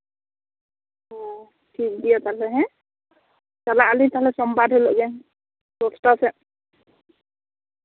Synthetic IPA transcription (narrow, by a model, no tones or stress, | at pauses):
ɔ̃ | ʈʰik̚dijɔt̪alɛɦɛ̃ | kalaalit̪aɦlɛsɔmbadʱɦelɔʔɡɛ | sosʈɔsɛ